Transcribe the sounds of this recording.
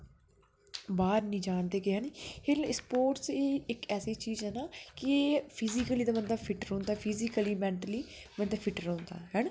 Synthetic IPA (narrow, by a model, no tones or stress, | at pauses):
baːɾnĩːd͡ʒaːnd̪eːkɪɦɛːniheːɾspoːɾʈseːɪkɛːseːt͡ʃiːzɦɛːnaːkɪpʰɪzikəliːd̪aːmənd̪aːpʰɪʈəɾɦõːnd̪aːpʰiːzikəliːmɛ̃ːɳʈəliː | mənd̪aːpʰɪʈəɾɦõːnd̪a̰ːɦɛːn